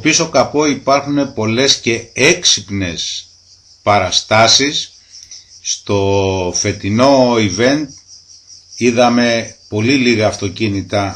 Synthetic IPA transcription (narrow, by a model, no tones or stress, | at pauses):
opiso̞kɐpo̞ipɐɾxune̞po̞le̞sce̞e̞ksipne̞s | pɐɾɐst̪ɐsisː | t̪o̞fe̞t̪ino̞ive̞nt̪ | iðɐme̞po̞liliɣɐːft̪o̞cinit̪ɐ